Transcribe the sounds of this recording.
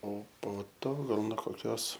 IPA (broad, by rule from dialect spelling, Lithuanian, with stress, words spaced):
oː poː ˈtoː ˈɡɐlˠ noː koːˈkʲoːs